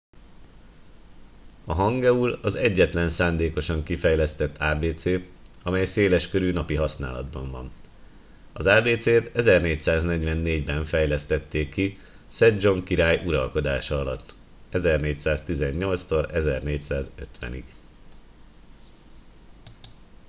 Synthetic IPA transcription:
ɒɦɒŋɡɛulɒzɛɟːɛt̪lɛnsaːnd̪eːko̞ʃɒŋkifɛjlɛst̪ɛt̪ʰːaːbeːt̪seː | ɒmɛjseːlɛʃkøɾyːnɒpiɦɒsna̰ːlɒ̰d̪bɒɱvɒn | ɒzaːbeːt̪seːt̪ɛzɛrneːcsaːznɛɟʋɛnːeːɟbɛɱfɛjlɛst̪ɛt̪ːeːkːi | sɛd͡ʒo̞ŋkiɾaːjʔuɾɒlko̞d̪aːʃɒɒlɒ̰t̪ː | ɛzɛrneːcsaːst̪izɛɲːo̞lt̪st̪o̞ɾɛzɛrneːcsaːzøt̪ʋɛ̰nḭɡ̥

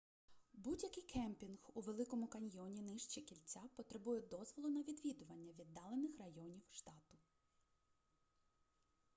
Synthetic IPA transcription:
budʲjɐkɪjkɛmpʲinxuʋe̞lˠɪkɔmʊkɐnʲjɔnʲinɪʃt͡ʃikʲilʲt͡sʲapɔt̪ɾebujɛd̪ɔzʋɔlˠʊnɐʋʲid̪ʋʲid̪ʊʋɐnʲːɐʋʲid̪ːɑlˠenɪxrɐjɔnʲiwʃt̪ɑt̪ʊ

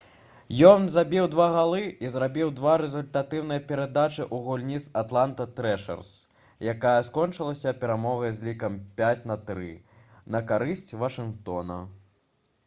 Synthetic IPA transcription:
jɔnzabʲiwd̪vaɣalˠɨizɾabʲiwd̪vaɾɛzulʲt̪at̪ɨwnɨjɐpʲɛɾad̪at͡ʂɨʔuɣulʲnʲit̪sat̪lˠant̪ɐt̪ɾɛʂɐ̰rs | jakajɐskɔnt͡ʂɨlˠɐsʲɐpʲɛɾamɔɣɐjzʲlʲikɐmpʲat͡sʲnɐt̪ɾɨ | nɐkaɾɨsʲt͡sʲvɐʂɨnkt̪ɔnɐ̰

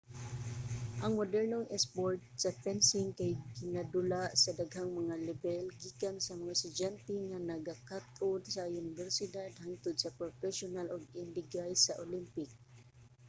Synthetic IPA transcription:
ʔaŋmod̪ɛɹnoŋɛspoɹt̪̚sapɛnsɪŋkajkɪnad̪ʊlaʔsad̪aɡhaŋmaŋalɛbɛlɡikansamaŋast̪ʊd͡ʒant̪ɛŋanaɡakat̪ʔʊd̪saʊnɪvɛɹsɪd̪ad̪haŋt̪ʊd̪sapɾofɛʃʊnalʊɡɪndɪɡajsaʔolimpɪk̚

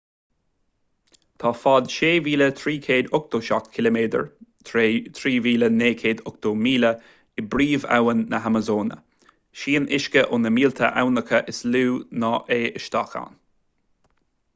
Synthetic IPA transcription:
t̪ʰɑːfɑd̪ʃeːviːlət̪ʰɾiːkʰeːd̪ʊk̚d̪̥oːʃakkʰɪləmeːd̪ə̰ɹt̪ʰɾet̪ʰɾiːviːləneːkʰeːd̪ʊk̚d̪̥oːmiːlə | ɪbɾiːva̰wənːəɦaməzoːnə̰ | ʃiːnʔɪʃkəʔʊnəmiːlt̪ʰə̰ʔa̰wnəkʰəʔɪsluːnɑːʔeːʔəʃt̪ɑ̰xa̰ːn

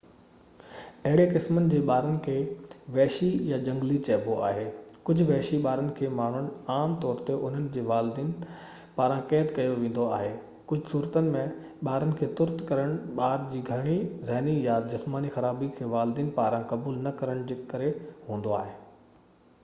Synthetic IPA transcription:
ɐɦɪɽekɪsmənɪ̆d͡ʑeːɓaːɾənɪ̆kʰeːʋɛːʃijad͡ʑɐ̃ŋɡlit͡ɕɐːboa̰ːɦeːkʊd͡ʑʱʊʋɛːʃiɓaːɾənɪ̆kʰeːmaːɳ̤ʊɽ̃aːmt̪ɔːɾt̪eʔʊn̤ənɪ̆d͡ʑeːʋaːld̪iːn | paːɾãkɛːt̪kɐjoʋẽːn̆d̪oaːɦeː | kʊd͡ʑʱʊsuːɾət̪ənɪ̆mẽ | ɓaːɾənɪ̆kʰeːt̪ʊɾt̪kɐɾəɽ̃ɓaːɾd͡ʑiːɡʱɐɽ̃izɐɦnijad͡ʑɪsmaːnixɐɾaːbikʰeːʋaːld̪iːnpaːɾãkɐbuːlnɐkɐɾəɽ̃d͡ʑeːkɐɾeɦũːn̆d̪oa̰ːɦeː

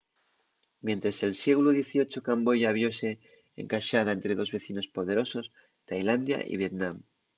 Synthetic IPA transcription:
mjẽ̞nt̪ɾese̞lsje̞ɣuluð̞je̞θio̞t͡ʃo̞kambo̞ʝaβ̞jo̞se̞ | ḛŋkaʃað̞ae̞nt̪ɾe̞ðo̞zβe̞θino̞spo̞ð̞e̞ɾo̞so̞s | t̪ajland̪ja̰ʔḭβ̞je̞t̪nãm

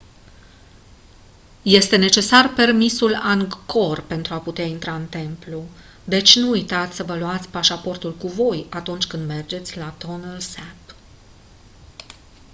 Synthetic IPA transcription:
je̞st̪e̞ne̞t͡ʃe̞sarpe̞rmisulaŋɡko̞rpe̞nt̪ɾuaput̪eaint̪ɾaɨnt̪e̞mplu | d̪e̞t͡ʃʲnuːjt̪at̪sʲsəvəluat̪sʲpaʃapo̞rt̪ulkuvo̞jat̪unt͡ʃʲkɨnd̪me̞rd͡ʒe̞t̪sʲlat̪o̞nəlsɛp

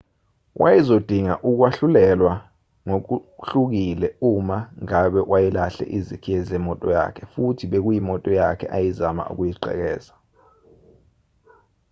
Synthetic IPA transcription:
wʔa̰jizod̥ʱiŋaʔuk̬waɬulɛlwa | ŋok̬uɬuk̬ilɛumaŋaɓɛwajilaɬɛ̰ʔizikʰiɛzɛmɔtʼɔja̰kʰɛfutʰiɓek̬ujimɔtʼɔjakʰɛʔajizama̰ṵk̬ujiɡ͡ǀʱɛ̰k̬ɛːza

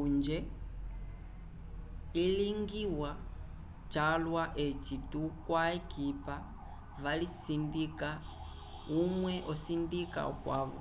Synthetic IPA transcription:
und͡ʒɛ | iliŋɡiwa | t͡ʃalwaʔet͡ʃitukwaɛkipa | valisindika | umwɛʔɔsindika̰kwa̰ːβɔ̰

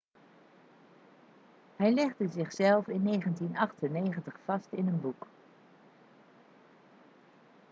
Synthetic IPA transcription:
hɛjlɛχdəzɪχsɛlˠfɪnːejχəntinɑχtənːejχəntəχfɑstɪnənbuk

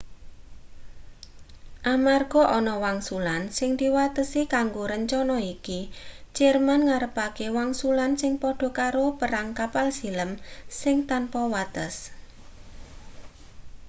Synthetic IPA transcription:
ʔamarɡ̥ɔ̤ʔɔnɔwaŋsulansɪŋd̪̥iwat̪əsikaŋɡoɾəɲt͡ʃɔnɔikit͡ʃɛrmanŋaɾəpakewaŋsulansɪŋpɔɖ̥ɔ̤kaɾopəɾaŋkapalsi̤ləmsɪŋt̪anpɔwat̪əs

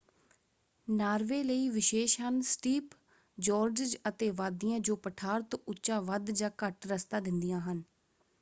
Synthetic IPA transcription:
naːɾʋeːləiːʋɪʃeːʃɦənsʈiːp | d͡ʒɔːɾd͡ʒd͡ʒət̪eːʋaːd̪ːijãːd͡ʒoːpəʈʰaːɾt̪ʊːʃãːʋəd̪d͡ʒãːkəʈɾəst̪ãːd̪ɪnd̪ijãːɦən

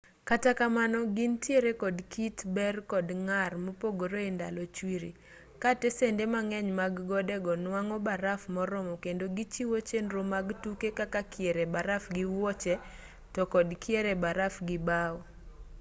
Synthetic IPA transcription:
katakamanɔɡintjeɾekɔdkitbɛrkɔdŋarmɔpoɡoɾoenda̰lɔt͡ʃwiɾḭ | katɛsendemaŋɛɲmaɡɡɔdɛɡɔnwaŋɔbaɾafmɔɾɔmɔkendoɡit͡ʃiwot͡ʃenɾomaɡtukekakakʰjeɾebaɾafɡɪwɔt͡ʃɛ | tɔkɔdkʰjeɾebaɾafɡɪbaɔ

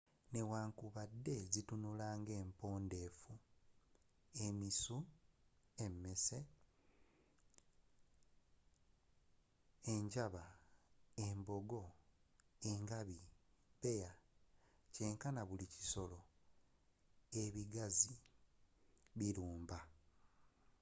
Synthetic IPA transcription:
ne̞waːŋkuβadːe̞zitunulaːŋɡe̞ːmpo̞ːnde̞ːfu | emisu | e̞mːese̞ | eɲɟaβa | embo̞ɡo̞ | eŋɡaβiβe̞ja | ce̞ŋkanaβulici̥so̞lo̞ | eβiɡazi | βiɾuːmba

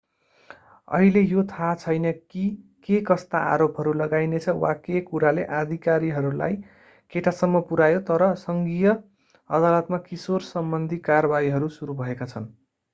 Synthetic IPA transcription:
ʌ̰ɦilejot̪ʰat͡sʰʌjnʌkikekʌst̪aa̰ɾopɦʌɾulʌɡajnet͡sʰʌwakekuɾaleʔad̪ʱikaɾiɦʌɾula̰j | keʈasʌmːʌpuɾajot̪ʌɾʌsʌŋɡijʌ | ʌ̰d̪alʌt̪makisorsʌmbʌnd̪ʱikarʌbaiɦʌɾusuɾubʱʌekat͡sʰʌn

